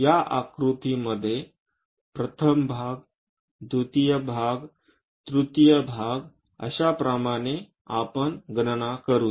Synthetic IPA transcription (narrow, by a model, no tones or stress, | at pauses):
jaʔakɾut̪iməd̪ʱːje | pɾət̪ʰəmbʱaɡ | d̪ʱut̪ijəbʱaɡ | t̪ɾut̪jəbʱaɡ | ə̰ɕapɾamane | a̰pənɡnənakəɾuː